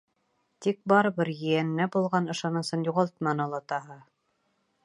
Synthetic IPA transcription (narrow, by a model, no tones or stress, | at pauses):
t̪ik̚bɑɾɤbɤɾjɘ̆jænːæbulˠʁɑnɤ̆ʃɑnɤ̆sɤnjuʁɑlˠt̪mɑnɤ̆lˠɑt̪ɑɦɤ